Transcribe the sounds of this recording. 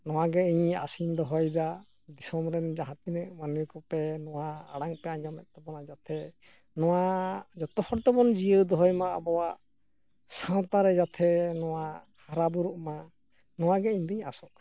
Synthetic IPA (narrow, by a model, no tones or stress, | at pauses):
nɔwaɡɛiɲa̰sind̪ɔɦɔjd̪a | d̪isɔmɾɛnd͡ʒaɦãt̪inɛʔmanuwikɔpɛnɔwaːɽaŋpɛaɲd͡ʒɔmɛt̪̚ˀt̪ɔbɔnad͡ʒat̪ʰɛ | nɔwad͡ʒɔt̪ɔhɔɽt̪ɔbɔnd͡ʒijəd̪ɔɦɔjmaa̰bɔwaʔ | sãt̪aɾɛd͡ʒat̪ʰɛnɔwa | haɾabuɾuʔma | nɔwaɡɛiɲd̪iɲasɔʔ̚